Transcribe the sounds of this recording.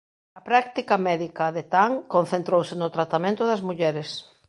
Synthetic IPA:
ɐpɾak̚t̪ikɐmɛðikɐðet̪aŋkõn̟θẽnt̪ɾowsɪnʊt̪ɾat̪amẽnt̪ʊðɐzmuʎɛɾɪs

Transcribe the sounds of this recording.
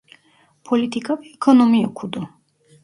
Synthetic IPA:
pʰɔlit̪ʰikʰʼaviɛkʰɔnɔmiɔkʰud̪ɔ

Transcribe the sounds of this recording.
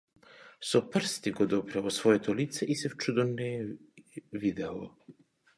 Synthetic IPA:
sɔpr̩st̪iɡɔd̪ɔpɾɛlˠɔsvɔjɛt̪ʰɔlit̪sɛʔisɛft͡ʃud̪ɔnɛ | vid̪ɛlˠɔ̰

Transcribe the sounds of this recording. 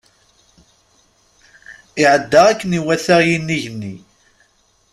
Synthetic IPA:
ɪʕəd̪ːaʁækːəniwæθæʁjinːiʝənːi

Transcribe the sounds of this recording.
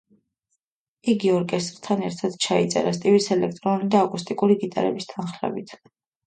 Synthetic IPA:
iɡiɔɾkʼɛst̪ʼɾt̪ʰanɛɾt̪ʰad̪̥t͡ʃʰait̪sʼɛ̰ɾast̪ʼivisɛlɛkʰt̪ʼɾɔnlid̪aːkʼust̪ʼikʼuɾiɡit̪ʼaɾɛbist̪ʰanχlɛ̰bit̪ʰ

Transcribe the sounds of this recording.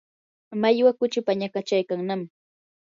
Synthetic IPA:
majwakʊt͡ʃʊpaɲakat͡ʃajkaŋnam

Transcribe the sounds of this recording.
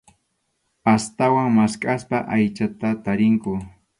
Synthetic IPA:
ast̪awaŋmaskʼaspaʔajt͡ʃat̪at̪aɾɪŋkʊ

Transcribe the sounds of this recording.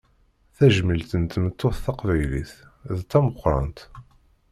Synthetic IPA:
θæʒmilt̪ənt̪mət̪ːoθθɑqvæjlḭθðt̪ːæməχʷɾɑ̰nt̪

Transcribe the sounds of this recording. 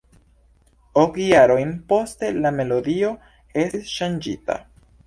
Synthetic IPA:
okjaɾo̞jnpo̞ste̞lame̞lo̞dio̞ | e̞sisʃand͡ʒita̰

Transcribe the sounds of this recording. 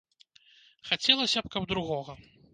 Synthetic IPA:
xat͡sʲɛlˠɐsʲɐpkɐb̚d̪ɾuɣɔɣɐ

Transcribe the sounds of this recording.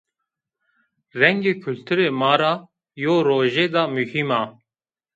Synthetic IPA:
ɾɛŋɡeːkʰult̪ʰuɾeːmaːɾaː | joːɾoːʒeːd̪aːmuhimaː

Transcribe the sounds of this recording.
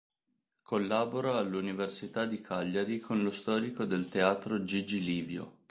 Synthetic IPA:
kʰolːaːboɾoalːuniversit̪ad̪ikʰaʎːaɾikʰonlost̪ɔːɾikod̪elt̪eaːt̪ɾod͡ʒid͡ʒiliːvjo̰

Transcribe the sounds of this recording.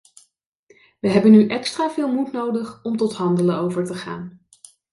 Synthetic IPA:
ʋəɦɛbənyʔɛkstraːvɪːlˠmutnowdəχɔmtɔtɦɑndələnowvəɹtəχa̰ːn

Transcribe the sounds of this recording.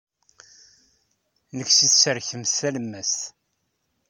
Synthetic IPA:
nəksiθsəɾçəmsælmːæst

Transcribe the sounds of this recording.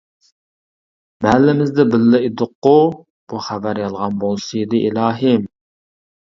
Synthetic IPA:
mɛlːɪmɪzd̪ɛbɪlːɪid̪ʊqːʊ | b̥uχævæɾjɑlˠʁɑnbolˠsɨjid̪ɨʔilˠɑːɦɪm

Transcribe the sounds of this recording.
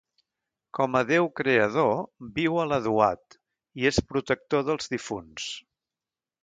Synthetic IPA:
kɔməðewkɾeəð̞obiwələðua̰t̪ | iespɾut̪ək̚t̪oðəlˠzðifuns

